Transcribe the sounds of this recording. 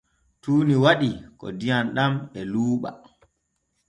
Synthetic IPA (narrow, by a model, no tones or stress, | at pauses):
tuːniwaɗikɔ̰dijanɗamɛluːɓa̰